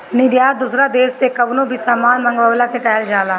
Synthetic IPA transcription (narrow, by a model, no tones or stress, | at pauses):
nɪd̪jaːd̪usɾad̪eːʃsekɐbnõbʱisaːmaːnmɐ̃ŋɡʋəːlakekɛːld͡ʒaːlaː